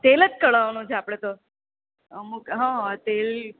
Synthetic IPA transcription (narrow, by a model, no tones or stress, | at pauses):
t̪elət͡ʃkəɭaʋnũt͡ʃʰeapɽ̃et̪o | əmukɦãt̪el